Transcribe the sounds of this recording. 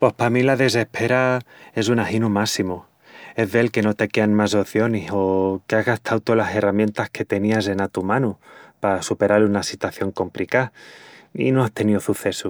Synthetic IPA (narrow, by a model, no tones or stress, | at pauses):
po̞hpamilaðe̞s̬e̞hpʰe̞ɾae̞sunahinumasimu | e̞zðelke̞no̞t̪e̞ke̞anmaso̞θjo̞niso̞keaɣast̪ʰawt̪olase̞ramjẽ̞nt̪ahke̞t̪e̞niase̞nat̪umãnupasupe̞ɾalunasit̪waθjo̞ŋko̞mplika | ḭno̞ast̪e̞niosuθe̞su